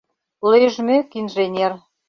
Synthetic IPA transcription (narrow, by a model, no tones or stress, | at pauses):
leʒmekinʒenʲer